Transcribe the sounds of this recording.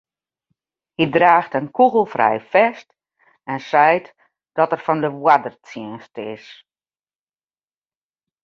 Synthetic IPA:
hidraːxtənkuɣəlˠfrɛ̰jfɛst | ɛnsɛjt | d̥ɔtɛrfɔndəʋwadərt͡siənstəɪ̰s

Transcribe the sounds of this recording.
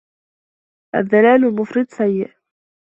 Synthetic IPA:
ʔa̰ðːalaːlmʊfɾɪd̪sajːɪʔ

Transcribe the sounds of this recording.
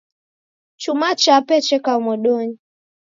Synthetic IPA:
t͡ʃumat͡ʃapɛt͡ʃɛkaumɔɗɔɲi

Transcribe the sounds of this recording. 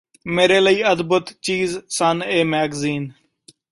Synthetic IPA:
meːɾeːləiːəd̪bət̪t͡ʃiːzsəneːmɛːɡziːn

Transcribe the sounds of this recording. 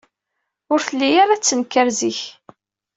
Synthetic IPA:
ʊɾθəlːijaɾat͡sːənkːəɾziç

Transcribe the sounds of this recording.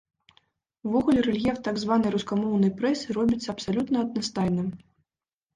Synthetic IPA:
wvɔɣulʲɛɾɛlʲjʲɛft̪aɡzvanɐjɾuskamɔwnɐjpɾɛsɨɾɔbʲit̪sːɐɐpsalʲut̪nɐɐd̪̚nast̪ajʲnɨm

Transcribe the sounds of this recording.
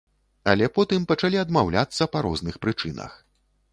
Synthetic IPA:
ɐlʲɛpɔt̪ɨmpɐt͡ʂalʲiɐd̪mawlʲat̪sːɐpaɾɔ̰znɨxpɾɨt͡ʂɨnɐ̰x

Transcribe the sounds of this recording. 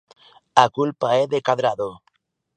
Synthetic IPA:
akulpaeðekaðɾaðo

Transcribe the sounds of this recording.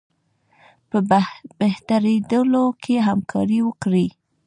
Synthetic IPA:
pəbeht̪aɾed̪əlokʰeɦamkʰɑɾiwəkɽi

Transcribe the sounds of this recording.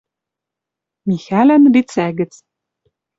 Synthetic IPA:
mixælænrit͡sæɡɘ̆t͡s

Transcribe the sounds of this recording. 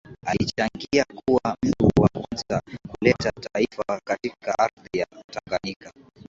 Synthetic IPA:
alit͡ʃaŋɡiakuwam̩tuwakwanzakulɛtataifakatikaʔaɾðijataŋɡaɲika

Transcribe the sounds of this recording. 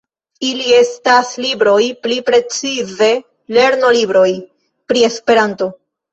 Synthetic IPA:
ilie̞staslibɾo̞jplipɾe̞t͡size̞ | le̞ɾno̞libɾo̞j | pɾie̞spe̞ɾanto̞

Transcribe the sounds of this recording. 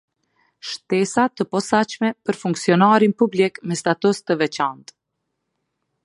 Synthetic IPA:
ʃt̪ɛsat̪əpɔsat͡ʃmɛpəɾfuŋksiɔnaɾinpublikmɛst̪at̪ust̪əvɛt͡ʃant̪

